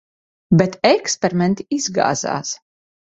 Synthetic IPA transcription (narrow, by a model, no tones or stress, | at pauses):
bʲɛt̪ɛkspʲɛɾimɛnt̪iizɡa̰ːza̰ːs